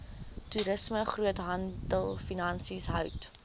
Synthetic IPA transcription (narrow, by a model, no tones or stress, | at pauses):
tuɾəsməχruətɦɐndəlˠfinɐnsisɦœwt